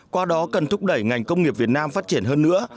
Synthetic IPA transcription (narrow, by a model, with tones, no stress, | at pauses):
kwaː˧ɗɔ˨˦kə˨˩nt̪ʊ˦˥k͡p̚ɗə˧˩jŋa˨˩jŋ̟kə˧wŋ͡mŋi˨˩əp̚vi˨˩ət̚naː˧mfaː˦˥t̚t͡ɕi˧˩ənɦəː˧nːɨ̰˧˥ə